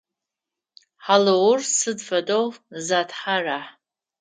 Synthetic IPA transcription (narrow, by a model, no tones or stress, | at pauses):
ħalowʊrsɨdfadʼowzatʰħaraħ